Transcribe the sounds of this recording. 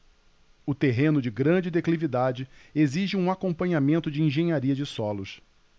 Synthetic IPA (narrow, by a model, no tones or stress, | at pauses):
ʊt̪eɦẽnʊd͡ʒɪɡɾɐ̃d͡ʒɪd̪eklivid̪ad͡ʒɪeziʒɪũakõpɐ̃ɲamẽnt̪ʊd͡ʒɪĩʒẽɲaɾiɐd͡ʒɪsɔlʊs